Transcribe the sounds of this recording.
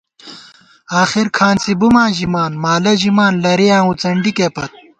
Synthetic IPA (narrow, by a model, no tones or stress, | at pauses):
aːxiɾkʰaːnsibumãːʑimaːnmaːlɐʑimaːnlɐɾejãːut͡sɐɳɖikeːpɐt̪̚